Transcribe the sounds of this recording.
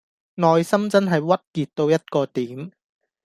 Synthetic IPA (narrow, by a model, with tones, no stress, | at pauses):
nɔː˨jsɐ˥mt͡sɐ˥nɦɐ˨jwɐ˥t̚kiː˨t̚t̪ːo˧wjɐ˥t̚kɔː˧t̪iː˨˦˥m